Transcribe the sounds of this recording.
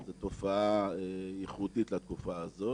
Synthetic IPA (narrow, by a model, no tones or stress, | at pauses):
zet̪o̞faaejiχudit̪lat̪̚kufaːzo̞